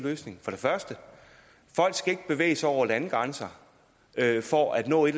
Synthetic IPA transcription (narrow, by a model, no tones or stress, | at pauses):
løːsne̝ŋfɒ̽dɾe̝fɶɐsd̥ə | fɒ̽l̰ɡ̥sɡ̥æe̝ɡ̥əb̥e̝ʋḛːɪsɑɒʊ̰ɐlænɡ̥ʁɑ̈nsɑ | øfɒæd̥nɔ̰̽ːe̝ɾ